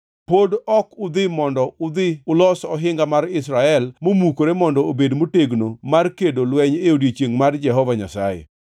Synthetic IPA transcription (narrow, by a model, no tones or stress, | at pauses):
podɔkʊd̪ɪmɔndɔʊd̪ɪʊlɔsɔɦɪŋɡamaɾɪsɾaɛlmomukoɾemɔndɔobedmoteɡnomarkedolwɛɲeodet͡ʃeŋmard͡ʒɛɦɔvaɲa̰sajḛ